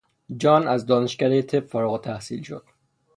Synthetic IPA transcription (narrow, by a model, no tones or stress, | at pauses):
d͡ʒɒːnæzd̪ɒːneʃcæɾejet̪ʰebfɒːɾoɣot̪ʰæhsḭːlʃod̪̥̚